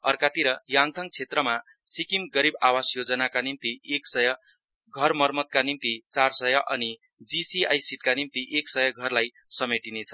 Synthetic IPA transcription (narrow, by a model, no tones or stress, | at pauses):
ʌrkat̪iɾʌjaŋt̪ʰʌŋ̚t͡sʰet̪rʌma | sikimɡʌɾibawasjod͡zʌnakanimt̪ieksʌjʌ | ɡʱʌrmʌrmʌt̪̚kanimt̪it͡sarsʌjʌʔʌ̰ni | d͡zisia̰jsiʈ̪̚kanimt̪iʔeksʌjʌɡʱʌrlaj | sʌmeʈinet͡sʰʌ̥